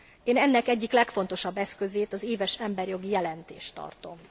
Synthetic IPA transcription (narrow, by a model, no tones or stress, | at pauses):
eːnɛnːɛkɛɟːiklɛkfo̞n̪t̪o̞ʃɒbːɛskø̞zeːt̪ɒzeːvɛʃɛmbɛrjo̞ɡijɛlɛnt̪ḛːʃt̪ɒ̰rt̪o̞m